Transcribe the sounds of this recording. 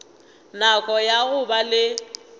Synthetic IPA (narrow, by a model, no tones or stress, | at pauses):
nakʼɔjaɣʊbalɪ